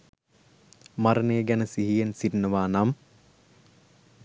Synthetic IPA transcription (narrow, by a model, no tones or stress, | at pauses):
maɾəneːɡænəsiɦijensiʈnəʋaːnam